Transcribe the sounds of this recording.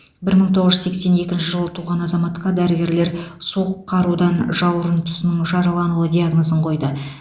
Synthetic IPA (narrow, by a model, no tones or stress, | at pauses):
bɪɾməɴt̪ʰo̞ʁəzʒʏzsekse̞ne̞kʲɪnʃɪʒəlˠət̪ʰuʁɑnɑzɑmɑt̪qɑd̪æɾɪɡʲe̞ɾle̞ɾsoqʰːɑɾud̪ɑnʒɑwəɾənt̪ʰʊ̥sənəŋʒɑɾɑlˠɑnulˠəd̪ʲiaɡno̞zəɴqʰo̞jd̪ə